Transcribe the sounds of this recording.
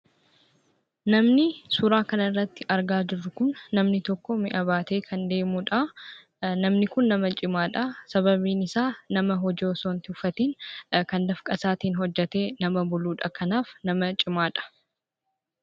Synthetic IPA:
nɐmnɪsʊɾaːkɐnɐrːɐt̪ːɪʔɐɾɡaːd͡ʒɪrːʊkʊnːɐmnɪt̪ɔkːɔmɪʔɐβaːt̪e̞ːkʰɐnd̪e̞ːmuᶑɐ | nɐmnɪkʊnːɐmɐt͡ʃʼɪmaːᶑɐsɐβɐbiːnɪsaːnɐmɐɦɔd͡ʒoːsoːnt̪ɪʊfɐt̪iːnkɐnd̪ɐfkʼɐsaːt̪iːnɦɔd͡ʒːɛt̪e̞ːnɐmɐbʊluːᶑɐkʰɐnaːfnɐmɐt͡ʃʼɪmaːᶑɐ̥

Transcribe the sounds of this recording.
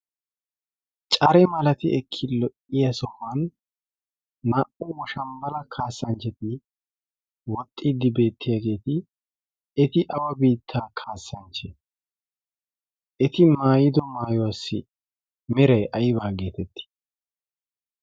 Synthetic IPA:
t͡ʃʼɐɾɛmɐlɐt̪ɪɛkʰːɪlɔʔɪjɐsɔmːɐn | ɐʔʊwɔʃɐmbɐlɐkʰaːsːɐnt͡ʃɛt̪ɪ | wɔt̪ʼːid̪ːɪbe̞ːt̪ʰːɪjaːɡe̞ːt̪ɪ | ɛt̪ɪʔɐwɐbiːt̪ʰːaːkʰaːsːɐnt͡ʃɛ | ʔɛt̪ɪmaːjɪd̪ɔmaːjɔwasːɪ̰ | mɪɾɐjʔɐjɪβaːɡe̞ːt̪ɛt̪ʰːɪ̥

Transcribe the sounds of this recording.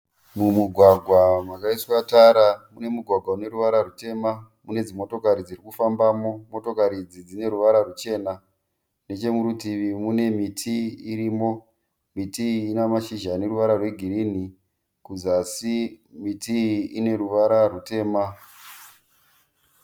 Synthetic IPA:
mumuɡʱwaɡʱwamakaiswataɾamune̞muɡʱwaɡʱwaune̞ɾuʋaɾarute̞ma | mune̞d͡zimo̞to̞kaɾid͡zirikufambaːmo̞mo̞to̞kaɾid͡zid͡zine̞ɾuʋaɾarut͡ʃe̞ːna | ne̞t͡ʃe̞muɾutiʋimune̞mitʰiːɾiːmo̞ | mitiːnamaʃiʒane̞ɾuʋaɾarwe̞ɡʱiɾin̤i | kud͡zasimitiine̞ɾuʋaɾarute̞ːma

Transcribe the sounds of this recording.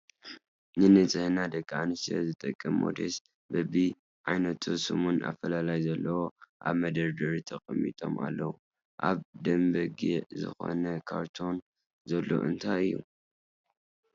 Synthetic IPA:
nɨnɨt͡sʼɨhɨnad̪ɐkʼːanɨsɐ̰zɨt̪ʼɐkʼːɨmːo̰d̪es | bɐbi | ʕajnɐt̪ʰusɨmuna̰fɐlalajzɐlːɐwoʔa̰βmɐd̪ɐɾd̪ɐɾit̪ʰɐkʼɨmːḭt̪ʼo̞̰ma̰lːɐwu | ʔaβd̪ɐmbɐɡiʔzɨ̰xo̞̰nɐkʰaɾt̪ʰo̞n | zɐlːo̞̰ʔɨnt̪ʰajɨjːu

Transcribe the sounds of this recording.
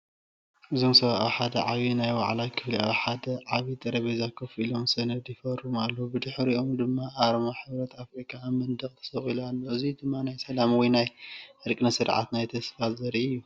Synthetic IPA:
ʔɨzomsɐβaʔaħad̪ɐ̰ʕaβinajwa̰ʕlajkʰɨfliaħad̪ɐʕaβit̪ʼɐɾɐβezakʰɐfilo̞msɐnɐd̪jɪfɐɾumalːɐhubɨd̪ɨħɾiʔo̞md̪ɨmːaʔaɾmaħɨβɾɐt̪ʰafɾikʼamːɨnd̪ɐkʼt̪ʰɐ̥sɐχʼilalːoɨzid̪ɨmːanajsɐlamwinajɨɾkʼɨnɐsɨɾʕa̰t̪najt̪ʰɐsfazɐɾiɨjːu

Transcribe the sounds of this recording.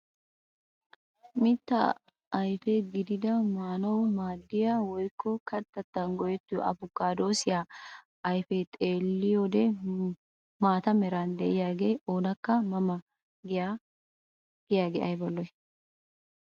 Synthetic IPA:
mɪt̪ːɐː | jfɛɡɪd̪ɪd̪ɐmaːnɐwmaːd̪ːɪjawɔjkːɔkʰɐt̪ːɐt̪ːɐnɡɔjɛt̪ːɪjɔ̰ʔɐ̰bʊkːaːd̪o̞ːsɪja | ɐjfɛt̪ʼe̞ːlːɪjoːd̪ɛ | maːt̪ɐmɛɾɐnd̪ɛʔɪjaːɡe̞ːʔoːnɐkːɐmɐmɐ | ɡɪja | ɡ̥ɪjaːɡɛ̰ʔɐjbɐlːɔj

